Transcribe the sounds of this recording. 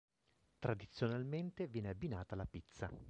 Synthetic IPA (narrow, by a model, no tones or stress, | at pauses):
t̪ɾad̪it̪sːjonalment̪evjɛːneabːinaːt̪alapit̪sːa